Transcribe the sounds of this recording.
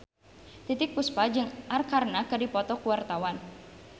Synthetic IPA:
t̪it̪ɪk̚puspad͡ʒɨŋʔarkarnakɨdipɔt̪ɔkuwart̪awan

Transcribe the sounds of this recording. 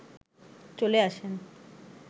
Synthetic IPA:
t͡ɕoleaʃen

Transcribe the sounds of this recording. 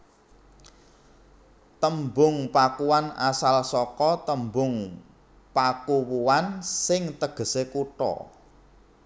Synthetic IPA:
t̪əmbʊŋpakuwana̰salsɔkɔt̪əmbʊŋ | pakuwuwansɪŋt̪əɡ̥ə̤sekuʈɔ̰

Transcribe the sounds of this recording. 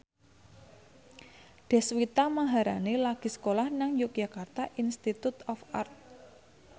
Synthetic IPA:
d̪̥ɛ̤swit̪amaɦaɾanelaɡ̥i̤sə̥kolahnaŋjuk̚jakart̪aʔinst̪it̪ut̪ɔfart̪̚

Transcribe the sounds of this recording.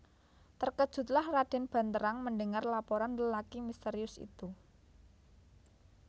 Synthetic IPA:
t̪ərkəd̥ʒ̥ṳt̪̚lahrad̥ɛ̤nb̥ä̤nt̪əɾaŋməɳdəŋarlapoɾanləlakimist̪eɾiʊsḭt̪u

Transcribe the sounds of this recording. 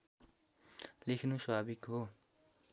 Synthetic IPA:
lekʰnusʌbʱabikɦo

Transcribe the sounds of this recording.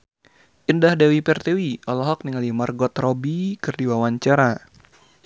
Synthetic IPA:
ʔindahdawipɛrt̪ewiɔlɔɦɔk̚niŋalimarɡɔt̪rɔbikɨrdiwawaɲt͡ʃaɾa

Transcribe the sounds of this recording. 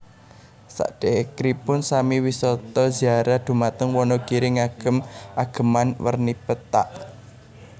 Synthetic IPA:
sa̰ʔd̥eʔekɾipʊnsamiwisɔt̪ɔz̥iaɾahd̪̥ṳmat̪əŋwɔnɔɡ̥iɾɪŋaɡ̥ə̤mʔaɡ̥ə̤manwə̰rnipət̪a̰ʔ

